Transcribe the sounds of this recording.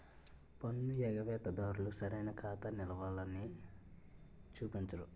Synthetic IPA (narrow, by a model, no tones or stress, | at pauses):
pɐnːujɛɡɐʋɛːt̪ɐd̪aːɾulusɐɾɐjnɐkʰaːt̪ɐnilɐʋaːlɐni | t͡ʃuːpint͡ʃɐɾu